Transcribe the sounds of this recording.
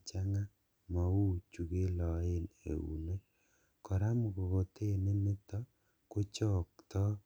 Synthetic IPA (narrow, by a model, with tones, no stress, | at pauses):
t͡ʃa˦ŋa˦ | ma˨u˦t͡ʃu˨ɡe˦lɔ˨ɪ˦nḛ˨ṵ˨ne˦ | kɔ˨ɾa˦mʊ˨kɔ˨ɡo˨t̪e˦˨ne˦ni˦t̪ɔ˦ | kʊ˦t͡ʃɔ˦k̚t̪ɔ˦